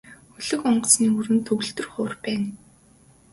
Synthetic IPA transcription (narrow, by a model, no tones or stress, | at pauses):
xɵɮɵ̆kɔɴɢɞ̆sniːuɾɘ̆nt̪ʰɵɣɵ̆ɬt̪ɵ̆rχʊːrpæːn